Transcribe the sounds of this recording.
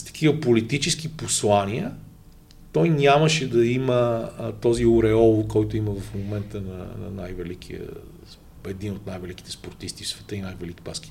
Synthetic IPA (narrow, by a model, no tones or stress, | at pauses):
st̪ɐ̥k̟ʰivəpolit̪it͡ʃɛskiposlˠanʲiə | t̪ɔjnʲaməʃɛd̪ɐimət̪ɔziʊɾɛɔlˠkɔjt̪ʊiməvɐfmomɛnt̪ənɐ̰nɐ̰najvɛlik̟ʰḭə̰ | ɛd̪inot̪najvɛlik̟i̥t̪ɛ̥spoɾt̪ist̪ifsvɛt̪əinajvɛliki̥pa̰ski̥